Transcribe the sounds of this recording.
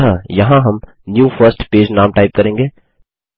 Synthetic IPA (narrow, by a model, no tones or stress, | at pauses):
ajɐɦãɦɐm | njuːfʰɐɾsʈpeːd͡ʒnaːmʈaːɪp̚kɐɾẽːŋɡeː